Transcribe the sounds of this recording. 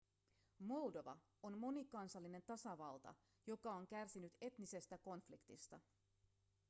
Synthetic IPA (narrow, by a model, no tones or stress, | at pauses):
mo̞ldo̞ʋɑ̰ | o̞nmo̞nikɑnsɑlːine̞nt̪ɑsɑʋɑlt̪ɑ̰ | jo̞kɑo̞ŋk̟ærsinyt̪e̞t̪nise̞st̪æko̞nflikt̪ist̪ɑ